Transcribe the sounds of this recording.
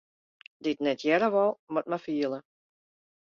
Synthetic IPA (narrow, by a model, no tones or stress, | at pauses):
dɪtnɛtʰjɛɾəʋɔlˠmɔt̚mafiəlˠə